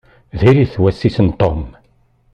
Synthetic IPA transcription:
ðiɾiθwæsːisənt̪ɔm

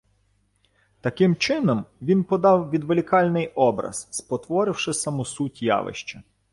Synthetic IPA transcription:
t̪ɐkɪmt͡ʃɪnɔmʋʲinpɔd̪ɑwʋʲid̪ʋelʲikɑlʲnɪjɔbɾɐ̰z̥spɔt̪ʋɔɾɪwʃɪsɐmʊsutʲjɑ̰ʋɪ̰ʃt͡ʃɐ

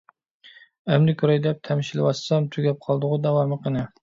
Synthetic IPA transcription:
ɛmlɪkʲʰɾɑjd̪ɛp̚t̪ʰɛmɪʃilɪwɑssɑmt̪ʰyɡʲɛp̚qʰɑlˠd̪ʊʁʊd̪ɛwɑmɨqʰənɨ

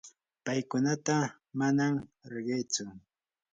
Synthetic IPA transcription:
pajkʊnat̪a | manamɾɪɢejt͡sʊ

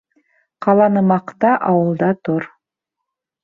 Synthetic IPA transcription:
qɑlˠɑnɤ̆mɑqt̪ɑʔɑwɤ̆lˠd̪ɑt̪oɾ

